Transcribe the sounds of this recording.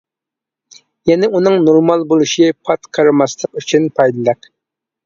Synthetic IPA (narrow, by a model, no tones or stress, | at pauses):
jɛnɪunɨŋnoɾmɑlˠbolˠuʃipʰɑt̪qʰɑɾɨmɑslˠəqyt͡ʃʰynpʰɑjd̪ɨlɛkʲ